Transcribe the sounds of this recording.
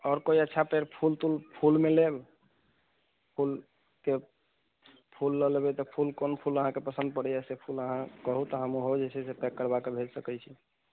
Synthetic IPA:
ɔːɾkoiətːʃʰapeɾpʰult̪ulpʰulmeleb | pʰul | ke | pʰulːəlebɛt̪ɔpʰulkonpʰuləɦãkepəsə̃nd̪̚pəɽɛjɛsepʰuləɦãkəɦut̪ɔɦəmuɦod͡ʒesʰɛsepɛkːəɾbakebʱelsəkɛjt͡ʃʰi

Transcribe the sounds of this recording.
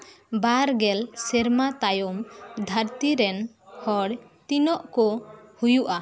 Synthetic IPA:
baɾɡɛlsɛɾmat̪ajɔmd̪ʱaɾt̪iɾɛn | hɔɽ | t̪inɔʔkɔhujuʔa

